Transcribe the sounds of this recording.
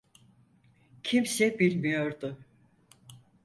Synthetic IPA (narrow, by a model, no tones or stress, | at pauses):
cʰimsɛbilʲmijoɾd̪ʊ